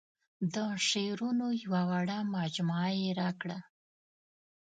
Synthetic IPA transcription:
d̪əʂeɾunojwawaɽamɑd͡ʒmɑjeɾakɽa

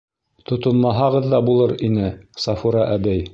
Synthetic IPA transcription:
t̪ŏt̪ŏmːɑɦɑʁɤðːɑbulˠɤɾinɘsɑfuɾɑʔæd̪æj

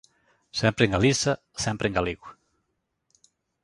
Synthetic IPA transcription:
sɛmpɾeŋɡalisa | sɛmpɾeŋɡaliɣw

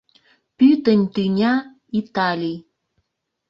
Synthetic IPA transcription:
pyt̪ənʲt̪ynʲa | it̪alʲij

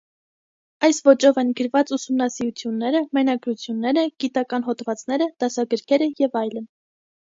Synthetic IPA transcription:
ɑjsvɔt͡ʃɔvɛnɡəɾvɑt͡susumnɑsiɾut͡sʰjunːɛɾəmɛnɑɡɾut͡sʰjunːɛɾəɡ̥it̪ɑkɑnɦɔt̪vɑt͡snɛɾəd̪̥ɑsɑɡəɾkʰɛɾəjɛvɑjlən

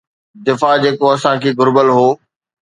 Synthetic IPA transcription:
d̪ɪfad͡ʑeːkoɐsãkʰeːɡʱʊɾbəlɦoː

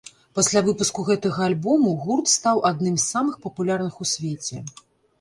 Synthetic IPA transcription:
pasʲlʲavɨpuskuɣɛt̪ɐɣɐːlʲbɔmuɣurt̪st̪awʔad̪nɨmsːamɨxpɐpulʲarnɨxusʲvʲet͡sʲɛ

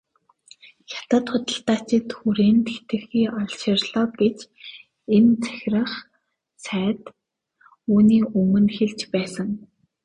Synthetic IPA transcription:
xʲḁt̪ə̆t̪χʊt̪ə̆ɬt̪aːt͡ɕɪ̆t̪xuɾeːnt̪ʰet̪ɘ̆xiːʔɔɮʃɪ̆rɮɔːɡet͡ɕ | ent͡sʰæ̥xʲrə̆χ | sæːt̪ | uːniːɵmɵ̆nxeɮt͡ɕpæːsə̆ŋ

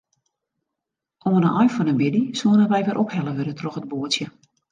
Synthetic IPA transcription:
ʔoənənʔɔjfɔnənbɪdisuənəʋɛjʋɪɾʔɔphɛləʋødətroxəd̚boətsjə

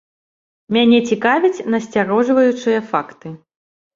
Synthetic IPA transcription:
mʲanʲɛt͡sʲikavʲit͡sʲnɐsʲt͡sʲaɾɔʐvɐjut͡ʂɨjɐfakt̪ɨ

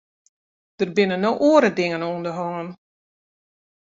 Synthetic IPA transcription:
d̥ərbɪnənːoʔoːəɾədɪŋənondəɦɔŋən

